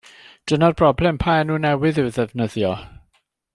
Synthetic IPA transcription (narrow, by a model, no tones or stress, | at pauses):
d̥ənarb̥rɔblˠɛmpʰaɛnuːnɛwɨðɨwðɛvnəðjɔ